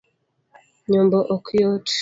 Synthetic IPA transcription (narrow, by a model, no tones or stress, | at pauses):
ɲɔmbɔʔokʰjɔt